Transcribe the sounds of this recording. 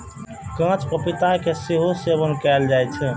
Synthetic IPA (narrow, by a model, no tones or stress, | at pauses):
kãt͡ʃkəpit̪akeseɦosebənkɛld͡ʒajt͡ʃʰɛ